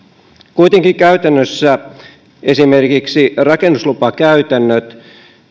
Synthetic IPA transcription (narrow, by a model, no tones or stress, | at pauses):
kuijt̪eŋkiŋkæyt̪ænːøsːæ | ʔesimerkiksirɑkenːuslupɑkæyt̪ænːøt̪